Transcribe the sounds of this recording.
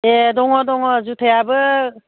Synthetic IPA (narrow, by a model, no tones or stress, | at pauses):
edɔŋɔdɔŋɔzut̪ʰejabɯ